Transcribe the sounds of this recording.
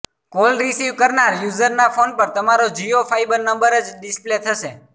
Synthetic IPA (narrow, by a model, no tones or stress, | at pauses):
kolɾisiʋkəɾnaɾjuzəɾnafonpəɾt̪əmaɾod͡ʒiofʰajbəɾnəmbəɾəd͡ʒɗɪsplet̪ʰəʃe